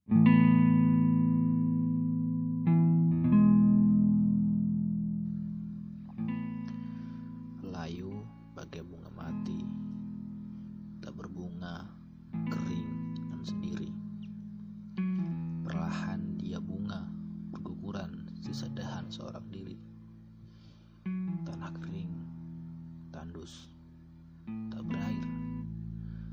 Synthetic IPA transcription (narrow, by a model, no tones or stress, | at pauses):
laju | baɡajbuŋamat̪i | t̪aʔbərbuŋa | kəɾɪŋdŋansəndiɾi | pərla̰handiabuŋabərɡukuɾansəsədaɦansəo̰ɾaŋdiɾḭ | t̪anahkəɾɪŋ | t̪andʊs | t̪aʔbəɾaɪr